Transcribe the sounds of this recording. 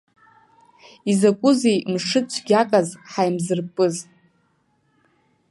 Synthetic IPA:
izakʷʼʊzejmʂɨt͡ʃʷʰɡʲakʼazħajmzɨrpʼɨz

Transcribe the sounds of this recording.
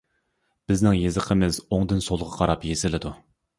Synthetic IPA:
b̥ɪznɪŋjezəqʰəmɪzoŋd̪ɨnsolˠʁʰɑqʰɑɾɑpjezɪlɪd̪u

